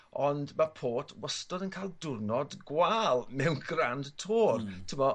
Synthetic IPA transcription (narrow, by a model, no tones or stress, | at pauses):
ɔndmapʰoːtʰwəstɔdənkʰajlˠdʊrnɔdɡwalˠmɛwnɡrandtʰoːrtʰəmɔ